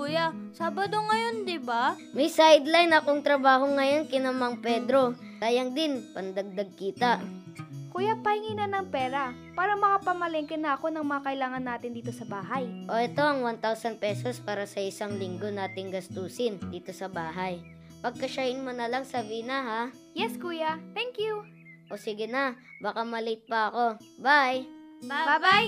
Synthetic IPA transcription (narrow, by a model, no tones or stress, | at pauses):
kujasaːbɐd̪oŋɐjond̪ɪba | mɐjsajd̪lajnɐkoŋt̪ɾɐbaːɦo̞ŋːɐjo̞nkɪnɐmɐŋpɛːd̪ɾo̞ | k̪aːjɐŋd̪ɪnpɐnd̪ɐɡ̚d̪ɐɡ̚kiːt̪ɐ | kʊjapɐhɪŋiːnɐnɐŋpɛːɾɐ | paːɾɐmɐkapɐmɐlɛŋkɛnɐʔɐko̞nɐŋmɐŋɐkɐʔɪlaːŋɐnːaːt̪ɪnd̪iːt̪o̞sɐbaːɦɐjʔo̞ʔɛt̪o̞ʔɐŋwant̪awsɐnd̪̚pɛːso̞spaːɾɐsɐʔɪsaŋlɪŋɡo̞naːt̪ɪŋɡɐst̪uːsɪnd̪iːt̪o̞sɐbaːɦaj | pɐɡ̚kɐʃahɪnmonɐlaŋsɐbinɐɦa | jɛskuːjɐt̪ɛŋkju | ʔosɪɡɪnɐbakamɐlɪt̪̚pɐɐko̞ | bajbaaj